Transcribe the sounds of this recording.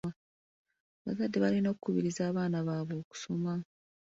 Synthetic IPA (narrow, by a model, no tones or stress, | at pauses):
a | βa̰zadːeβalino̞ːkukuβiɾizaːβaːnaβaːβo̞ːku̥so̞ma